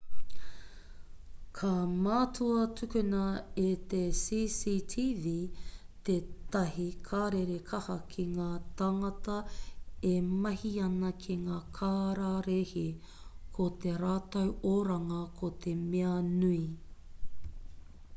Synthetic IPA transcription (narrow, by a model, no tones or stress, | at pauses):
kʰɐmaːtʰuɐtʰʉkʉnɐet̪esiːsiːtʰiːviːt̪et̪ɐhikʰaːɾeɾekʰɐhɐkʰiŋaːt̪ɐŋɐt̪ɐemɐhiɐnɐkʰiŋaːkʰaːɾaɾehi | kʰot̪eɾaːtɐwoɾɐŋɐkʰot̪ʰemeɐnui